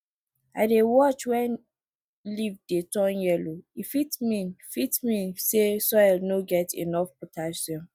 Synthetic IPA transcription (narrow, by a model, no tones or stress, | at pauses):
aɪdewɔt͡ʃwɛ̃n | livdetɔ̃njɛloifitmĩnfitmĩsesɔjlnoɡɛtʰḭnɔfpotʰaʃɔ̃n